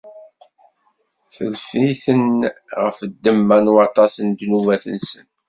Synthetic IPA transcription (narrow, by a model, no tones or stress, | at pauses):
θəlfiθənʁəfəd̪ːəmːænwɑt̪ˤɑsənd̪nuvæθə̰nsən